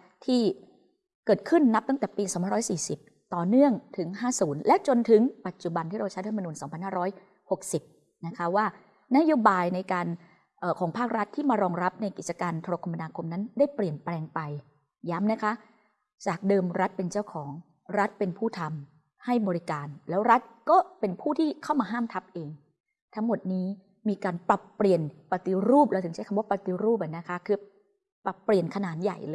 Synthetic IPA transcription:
t̪ʰiː˥˩ | kɤː˨˩t̪̚kʰɯ˥˩nːa˦˥p̚t̪a˥˩ŋt̪ɛː˨˩piː˧sɔː˨˩˦mʰpa˧ɾɔː˦˥jsiː˨˩si˨˩p̚ | t̪ɔː˨˩nɯ˥˩əŋt̪ʰɯ˩˦ŋhaː˥˩suː˩˦nlɛ˦˥ʔt͡ɕo˧nt̪ʰɯ˨˩˦ŋpa˨˩t̪̚t͡ɕu˨˩ba˧nt̪ʰiː˥˩ɾa˧wt͡ɕʰa˦˥jt̪a˧a˧mː˧nuː˧nsɔː˩˦pʰa˧nhaː˥˩ɾɔː˦˥j | ho˨˩k̚si˨˩p̚ | na˦˥kʰa˦˥waː˥˩ | na˦˥joː˧˥baː˧jna˧jkaː˧n | ʔəː˨˩kʰɔː˩˦ŋpʰaː˥˩k̚ɾa˦˥t̪ʰːiː˥˩maː˧ɾɔː˧ŋɾa˦˥p̚na˧jki˨˩t͡ɕa˧kaː˧nt̪ʰo˧ɾoː˧kʰa˧mːa˧naː˧kʰo˧mna˦˥ndaː˥˩jpli˨˩ənplɛː˧ŋpa˧j | ja˦˥mna˦˥kʰa˦˥ʔ | t͡ɕaː˨˩k̚dɤː˧mɾa˦˥t̪̚pe˧nt͡ɕa˥˩wkʰɔː˩˦ŋ | ɾa˦˥t̪̚pe˧npʰuː˥˩t̪ʰa˧m | ha˥˩jbɔː˧ɾi˦˥kaː˧nlɛː˦˥wɾa˦˥t̪̚kɔː˥˩pe˧npʰuː˥˩t̪ʰiː˥˩kʰa˥˩wmaː˧ɦaː˥˩mt̪ʰa˦˥p̚ʔeː˧ŋ | t̪ʰa˦˥ŋmo˨˩t̪̚niː˦˥ | miː˧kaː˧npɾa˨˩pːɾi˨˩ənpa˧t̪i˧˥ɾuː˥˩p̚la˧˩t̪ʰɯ˩˦t͡ɕʰa˦˥jkʰa˧wa˦˥˩pa˨˩t̪i˧˥ɾuː˥˩p̚ʔa˨˩na˦˥kʰa˦˥kʰɯː˧ | pɾa˨˩pːɾi˨˩ənkʰa˧naː˩˦nja̰˨˩jlɤː˧

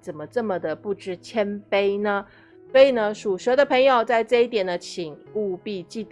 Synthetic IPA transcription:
t͡sə˨˩mə˦ʈ͡ʂə˥˩mə˩d̪ə˩pu˥˩ʈ͡ʂɻ̩˥˩t͡ɕʰjɛ˥npe˥ɪnə˧ | swɔ˧˥i˨˩nə˦ʂu˨˩ʂɤ˧˥d̪ə˧pʰɤ˧˥ŋjo˨˩ʊt͡sa˥˧ɪʈ͡ʂɤ˥˧i˥˩t̪jɛ˨˩nd̪ə˦t͡ɕʰi˨˩ŋu˥˧pi˥˧t͡ɕi˥˩t̪

